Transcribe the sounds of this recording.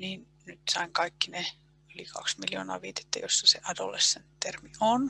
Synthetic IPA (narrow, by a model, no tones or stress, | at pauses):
niːn | nyt̪sɑiŋkɑikːine | ylikʰɑ̰ksmiljo̰ːnɑ̰ːʋiːt̪e̥t̪ːæ̰josːɑseʔɑdo̰lesːent̪t̪ermion